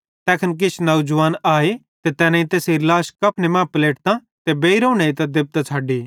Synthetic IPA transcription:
t̪ɛːkʰənk̬ɪt͡ʃʰnɐud͡ʒʋaːnaːe | t̪et̪ɛːnãĩt̪eːsiɾlaːʃkɐpʰnemãːpɐleːʈt̪ã | t̪ebeːiɾõːɽ̃eit̪ad̪ɪb̚t̪at͡sʰaːɖiː

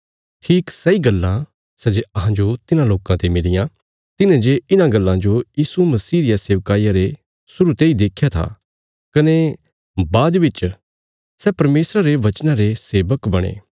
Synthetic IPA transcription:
ʈʰiːksɐiɡɐlːã | sɛd͡ʒeɐɦãd͡ʒot̪ɪnãloːkãt̪emɪlɪjã | t̪ɪnẽd͡ʒeɪnãɡɐlːãd͡ʒojiːsumɐsiːɾɪjaseːʋkaːijaɾe | sʊɾut̪eid̪eːkʰːjat̪ʰa̰ | kɐne | baːd̪bɪt͡ʃ | sɛːpɐɾmeːsɾaɾeʋɐt͡ʃnãɾeseːʋəkbɐɽ̃ḛː

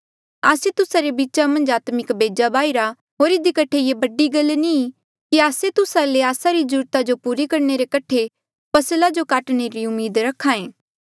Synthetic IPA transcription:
aːset̪ʊsaɾebiːtːʃamɐ̃nd͡ʒaːt̪mɪkbeːd͡ʒabaːiɾa | ɦoːɾɪd̪ikɐʈʰejebɐɖiɡɐlni | kiaːset̪ʊsaleaːsaɾid͡ʒʊɾt̪ad͡ʒopuːɾikɐɾneɾekɐʈʰe | pɐslad͡ʒokaːʈneɾiʊmːiːd̪ɾɐkʰːãːẽː

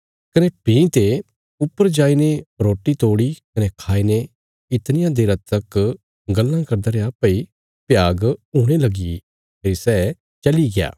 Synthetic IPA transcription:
kɐnepĩːt̪e | ʊpːəɾd͡ʒaːineɾoːʈːit̪oːɽikɐnekʰaːine | ɪt̪nɪjãd̪eːɾɐt̪ɐk | ɡɐlːãkɐɾd̪əːɾeaːpɐi | pjaːɡɦuːɽ̃elɐɡi | pʰeːɾisɛ | t͡ʃɐliɡɪja̰ː

